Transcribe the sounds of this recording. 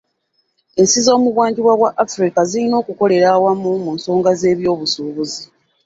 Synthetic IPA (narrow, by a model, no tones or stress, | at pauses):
e̞nsizo̞ːmuβwaːɲɟiβwaβwaʔafɾikazilino̞ːkuko̞le̞ɾaːwamumunso̞ːŋɡaze̞ːβjo̞ːβusuːβuzi